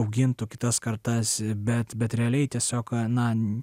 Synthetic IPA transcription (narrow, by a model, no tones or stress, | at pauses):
ʊɡʲɪnt̪ʊkʲɪt̪ɐskɐɾt̪ɐsbʲɛt̪bʲɛt̪ɾʲɛɐlʲɛɪt̪ʲiɛsʲoːknɐ